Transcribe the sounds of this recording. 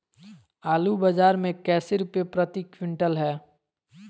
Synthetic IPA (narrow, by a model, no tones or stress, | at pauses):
aːlubɐd͡ʒaːɾmẽkɛːseɾʊpepɾɐt̪ikwɪ̃ɳʈəlɦɛː